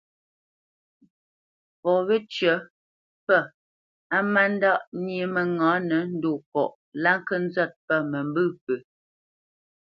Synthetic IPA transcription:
pɔ˨βə˦t͡ʃɥə˨˦ | pə˦˨ | a˦ma˦n˦da˦˨ʔnjie˨˦mə˨ŋãː˨˦nə˨˦n̩˦do˦˨kɔ̰˨ʔ | la˦ŋ˦kə˦n̩˦zɔ˦˨t̚pə˦˨mə˨mbɨ˦˨pə˨

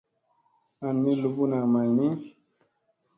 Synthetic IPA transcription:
a˨nːi˦lu˨bu˦na˨ma˨jni˦

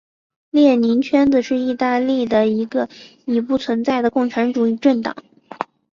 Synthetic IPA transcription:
ljɛ˥˩ni˧˥nt͡ɕʰɥɛ˥nd͡z̩˨˧ʂɻ̩˥˧i˥˧t̪a˥˧li˥˩d̪ə˩i˧˥ɡə˧ | i˨˧˩pu˥˩t͡sʰwə˧˥nt͡sa˥˩ɪd̪ə˩kʊ˥˩ŋʈ͡ʂʰa˧˥nʈ͡ʂu˨˩i˥˧ʈ͡ʂə˥˩nt̪ɑ̰˨˩˦ŋ

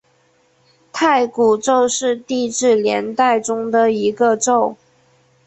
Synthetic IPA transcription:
t̪ʰa˥˩ɪku˨˩ʈ͡ʂo˥˧ʊʂɻ̩˥˧t̪i˥˧ʈ͡ʂɻ̩˥˩ljɛ˧˥nt̪a˥˩ɪʈ͡ʂʊ˥ŋd̪ə˨i˧˥ɡə˧ʈ͡ʂo˥˩ʊ

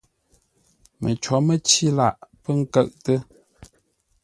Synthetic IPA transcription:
mə̰˨t͡ʃɔ˨˦mə˦t͡ʃi˦la˨ʔpə˦ŋ̩˦kə˦˨ʔtə˦

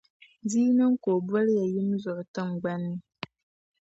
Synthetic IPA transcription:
di˦nə˦ŋ̩˦ko˨bwə˦lja˨ji˦mzɔ˨ʔtə˦ŋ˨ɡ͡ba˦nːi˦

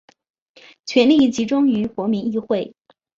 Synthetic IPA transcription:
t͡ɕʰɥɛ˧˥nli˥˩t͡ɕi˧˥ʈ͡ʂʊ˥ŋy˧˥kwɔ˧˥mi˧˥ni˥˧xwe˥˩ɪ

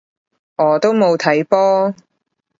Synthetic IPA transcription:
ʔɔː˨˧t̪o˥wmo˨˧wt̪ʰɐ˨˥jpɔː˥

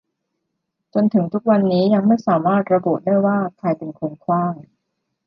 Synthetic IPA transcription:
t͡ɕo˧nt̪ʰɯ˩˦ŋt̪ʰu˦˥k̚wa˧nːiː˦˥ja˧ŋma˥˩jsaː˩˦maː˥˩t̪̚ɾa˧bu˨˩t̪̚daː˥˩jwaː˥˩kʰa˧jpe˧nkʰu˧ŋkʰwaː˥˩ŋ

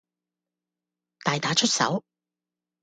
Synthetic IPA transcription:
t̪aː˨jt̪aː˨˥t͡ʃʰɵ˥t̚sɐ̰˨˥w

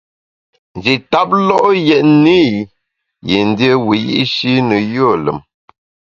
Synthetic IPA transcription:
n˨d͡ʒi˨ta˦p̚lɔ˦ʔjɛ˨ʔni˦ | je˨n˨di˦ə˦wi˨jḭ˦ʔʃi˦nə˨jo˦˨lə̰˨m

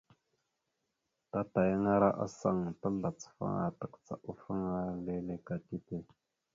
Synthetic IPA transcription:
ta˦ta˨ja˦ŋa˦ɾa˦ʔa̰˦sa̰˨ŋ˨ta˦ɮa˨t͡sə̥˨fa̰˦ŋa̰˨ta˨kt͡sa̰˨ʔu˦fa˦ŋa˦le˦le˦ka˨ti˦te˦

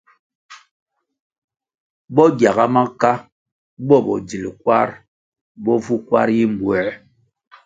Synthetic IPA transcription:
bɔ˦ɡja˨ɣa˦ma˦ka˦ | bɔ˦bɔ̰˨d͡zi˨li˨kwa˦ɾ | bɔ˦vu˦kwa˦ɾji˦m̩˨bwɛ˨˦

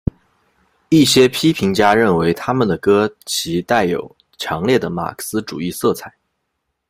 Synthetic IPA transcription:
i˥˩ɕjɛ˥pʰi˥pʰi˧˥ŋt͡ɕja˥ɻə˥˩nwe˧˥ɪt̪ʰa˥mə˨nd̪ə˩kɤ˥t͡ɕʰi˧˥t̪a˥˩ɪjo̰˨˩ʊ | t͡ɕʰjɑ˧˥ŋljɛ˥˩d̪ə˩ma̰˨˩kʰsɹ̩˥ʈ͡ʂu˨˩i˥˧sɤ˥˩t͡sʰa˨˩˦ɪ

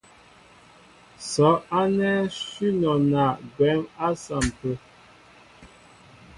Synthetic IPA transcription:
sɔ˨˦a˦nɛ˦swi˦nɔ˨na˨ɡɛ˨˦ma˦sa˨m˨pə˦

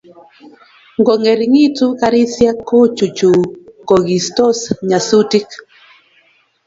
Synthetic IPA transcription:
ŋɡɔ˨ŋe˨ɾi˨ŋi˦tu˦ka˦ɾi˦sja˦kːo˦t͡ʃu˨t͡ʃu˨kɔ˨ɡi˨stɔ˦sɲa˨su˦ti˦k

